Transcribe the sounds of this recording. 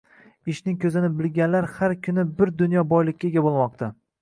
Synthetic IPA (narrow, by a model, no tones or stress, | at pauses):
ɪʃnɪŋkʲʰɵzɪnɪbɪlɡʲanlaɾhaɾkʲʰʊnɪbɪɾd̪ʊnjɒbɒjlˠɪkʲːaɡʲabolˠmɒq̚t̪ʰa